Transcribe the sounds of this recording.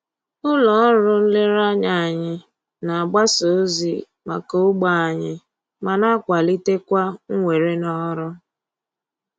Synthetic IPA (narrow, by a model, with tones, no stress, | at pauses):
ʊ˦lɔ˨˦ɾʊ˦n̩˦lɪ˦ɾa˦ɲa˦˨a˨ɲɪ˦ | na˨a˨ɡ͡ba˦so˨˦zḭ˨ | ma̰˨ko˦ʊ˦ɡ͡ba˨a˨ɲɪ˨ | ma˨na˦kʷa˨li˦te˦kʷa˦ŋ̩˦ŋʷe˨ɾe˦nɔ˦ɾʊ˦